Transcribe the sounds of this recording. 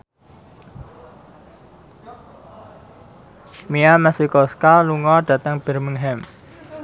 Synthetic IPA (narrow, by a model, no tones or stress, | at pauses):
miamɛsikɔskaluŋɔɖ̥ä̤t̪əŋb̥ə̤rməŋɦɛm